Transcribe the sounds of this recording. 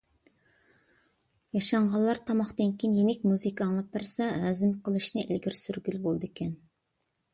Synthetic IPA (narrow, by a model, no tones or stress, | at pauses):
jɑʃɑɴʁɑlˠːɑɾt̪ʰɑmɑχt̪eŋkʲinjeŋɪk̚ʲmuzɨkʰɑŋlˠɑpːɪɾsɑæzɪmqʰəlˠɨʃnɨʔɪ̰lɡʲiɾsyɾɡʲylbolˠd̪ɨekʲʰɛn